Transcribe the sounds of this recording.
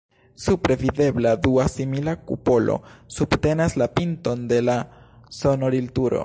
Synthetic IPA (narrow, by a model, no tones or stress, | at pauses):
supɾe̞vide̞bladuasimilakṵpo̞lo̞̰subte̞naslapinto̞nde̞la | so̞no̞ɾiltuɾo̞̰